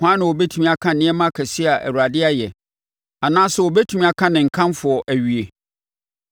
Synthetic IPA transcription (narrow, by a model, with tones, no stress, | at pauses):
hã˦nɪ̃˨wɔ˨bɛ˦tʰũ˦mĩ˦a˦kʰã˦˨nɪ̃˦ɛ˦mã˦kʰæ˨si˦a˨ʔæ̰˨wu˨ɾa˨dɪ˦a˦jɛ˨ | a˨nãː˦sʊ˨wɔ˨bɛ˦tʰũ˨˦mĩ˦a˨kʰã˦nɪ̃˨ŋ̩˨kʰã˦mfʊ˨ɔ˨ʔæ˨ɥi˨e˨